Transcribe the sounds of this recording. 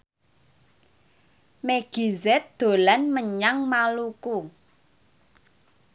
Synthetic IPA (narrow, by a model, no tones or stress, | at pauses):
meɡ̥i̤zɛt̪̚d̪̥o̤lanməɲaŋmaluku